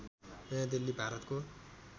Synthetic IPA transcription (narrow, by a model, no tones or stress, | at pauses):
d̪ilːibʱaɾʌt̪ko